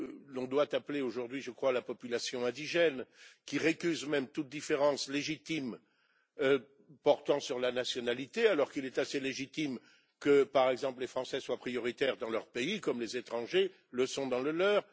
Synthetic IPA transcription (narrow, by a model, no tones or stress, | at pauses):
lɔ̃d̪wat̪apleoʒuʁd̪ɥiʒəkχwalapɔpylasjɔ̃ɛ̃d̪iʒɛnkʲiʁekʲyzmɛmt̪ut̪̚d̪ifeʁɑ̃sleʒit̪im | ø | pɔʁt̪ɑ̃syʁlanasjɔnalit̪ealɔʁkilɛt̪aseleʒit̪im | kəpaʁɛɡzɑ̃pllefχɑ̃sɛswapχijɔʁit̪ɛʁd̪ɑ̃lœʁpeikɔmlezet̪χɑ̃ʒe | ləsɔ̃d̪ɑ̃ləlœːʁ